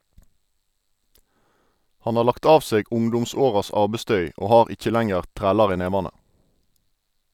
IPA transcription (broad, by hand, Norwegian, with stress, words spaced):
ˈhɑn ˈɑː ˈlɑkt ˈɑːʋ ˈseːɡ ˈʊŋdʊmˌsoːʁɑs ˈɑːbɛˌstœʏ ˈoː ˈhɑːʁ ˈɪc͡çə ˈlæŋəʁ ˈtʁæːlɑʁ ˈiː ˈneːʋɑnə